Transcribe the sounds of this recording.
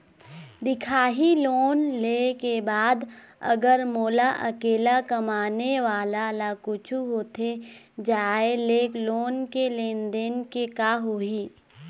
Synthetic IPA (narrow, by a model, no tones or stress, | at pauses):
d̪ɪkʰaːɦiloːnleːkebaːd̪ | ɐ̰ɡəɾmoːlaʔɐkeːlakɐmaːneʋaːlalakʊt͡ʃʰuɦoːt̪ʰe | d͡ʒaːeleːkloːnkelẽːnd̪enkekaːɦoːiː